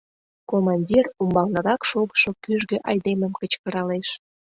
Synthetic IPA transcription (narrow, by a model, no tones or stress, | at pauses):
komɑnʲdʲirumbɑlnɤɾɑkʃoɣə̥ʃokyʒɣøʔɑjd̪eməmkət͡ɕkə̆ɾɑleʃ